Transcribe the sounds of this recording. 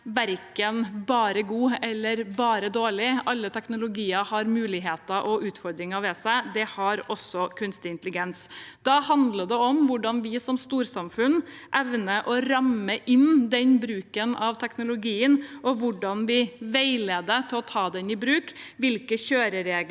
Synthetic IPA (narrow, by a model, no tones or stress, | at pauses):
ʋæɾkənbɑːɾəɡuːɛlːəɾbɑːɾəd̪oːɭɪʔɑlːət̪ʰɛknʊlʊɡiːəhɑɾmʉːlɪɦeːt̪əʔɔʔʉːt̪fɔɾd̪ɾɪŋəʋɛsæɪd̪ɛhɑɾɔsːɔkʰʉnst̪ɪɪnt̪əlɪɡɛnsd̪̥ɑhɑnd̪ləd̪ɛɔmʋʊɖɑnʋɪsɔmst̪uːɾsɑmfʉnʔɛʋnəʔɔɾɑmːəʔɪnd̪ɛnbɾʉːkənɑʋt̪ʰɛknʊlʊɡiːənʔɔʋʊɖɑnʋɪʋæɪleːd̪ət̪ʰɪlɔt̪ʰɑːd̪ɛnɪbɾʉːkʋɪlkəçøːɾəɾeːɡ